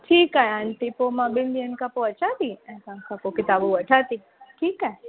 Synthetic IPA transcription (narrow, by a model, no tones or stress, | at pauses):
ʈʰiːkaɦeant̪ipomãbɪnd̪iənkapoɐt͡ʃat̪iɛ̃kãnkapokɪt̪aboʋɐʈʰat̪i | ʈʰiːkaɦe